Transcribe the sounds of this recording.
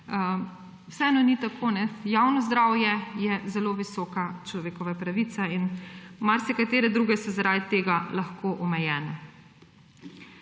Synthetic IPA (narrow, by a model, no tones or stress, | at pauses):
wsɛɛːnɔnit̪akʰoːnɛjaːwnɔzd̪ɾaːwjɛjɛzɛloʋisɔːkat͡ʃlɔʋeːkɔʋapɾaʋit̪sainmaɾsɛkat̪eːɾɛd̪ɾuːɡɛsɔzaɾad̪t̪eːɡalaxkoʔɔmɛjɛːnɛ